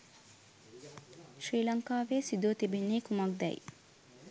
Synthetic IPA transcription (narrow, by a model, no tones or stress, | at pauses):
ʃɾiːlɐŋkaːʋeːsid̪oːt̪ebenːiːkumak̚d̪ɛ̰j